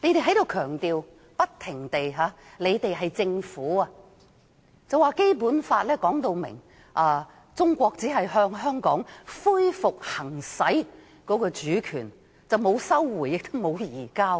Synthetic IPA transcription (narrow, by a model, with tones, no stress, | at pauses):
le˨˥jt̪e˨jɦɐ˨˥jt̪o˨˧wkʰœː˨˩ŋt̪iː˨w | pɐ˥t̚t̪ʰɪ˨˩ŋt̪e˨jɦaː˨˧le˨˧jt̪e˨jɦɐ˨jt͡sɪ˧ŋfuː˨˥a˧ | t͡sɐ˨waː˨˧ke˥jpuː˨˥nfaː˧t̚lɛː˥kɔː˨˥ŋt̪o˧wmɪ̰˨˩ŋ | ʔaː˨˧ | t͡sʊ˥ŋkʷɔː˧k̚t͡siː˨˥ɦɐ˨jɦœː˧ŋɦœː˥ŋkɔː˨˥ŋfuː˥jfʊ˨k̚hɐ˨˩ŋsɐ˨˥j | kɔː˨˥kɔː˧t͡ʃyː˨˥kʰy̰ː˨˩n | t͡sɐ˨wmo˨˧wsɐ˥wːuː˨˩jɪ˨k̚t̪ʊ˥mo˨˧wjiː˨˩kaː˥